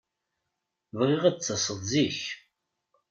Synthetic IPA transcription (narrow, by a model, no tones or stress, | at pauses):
vʁiʁat͡sːəsˤəðˤziç